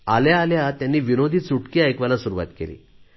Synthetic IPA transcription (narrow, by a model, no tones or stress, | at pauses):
aljaːljat̪janːiːʋinod̪ʱiːt͡suʈkiajkʋalasuɾuʋa̰t̪kḛlḭː